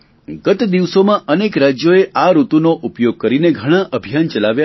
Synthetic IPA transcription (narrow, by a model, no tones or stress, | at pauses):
ɡət̪d̪iʋsomãʔənekɾad͡ʒjoeʔaɾut̪unoʔupjoɡ̚kəɾineɡʱəɽ̃ãʔəbʱijant͡ʃəlaʋja